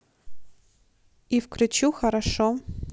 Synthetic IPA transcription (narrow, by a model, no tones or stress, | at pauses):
ifkɾɨt͡ʃuxɐɾaʂo